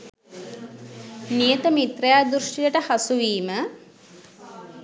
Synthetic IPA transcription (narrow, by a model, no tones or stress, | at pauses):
nijət̪əmit̪rejaːd̪ɾuʂʈiləʈəhasuʋiːmə